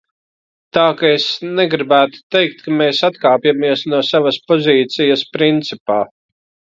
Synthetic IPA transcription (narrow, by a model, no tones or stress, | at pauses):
t̪aːkaesnɛɡɾibæːt̪u̥t̪ejk̚t̪kameːsat̪kaːpjamiɛsnuɔsavɐspɔziːt̪sijɐspɾint̪sipaː